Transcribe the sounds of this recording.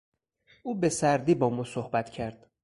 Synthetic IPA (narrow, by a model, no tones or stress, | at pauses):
ʔuːbe̞sæɾd̪iːbɒːmɒːsohbæt̪cʰæɾd̪̥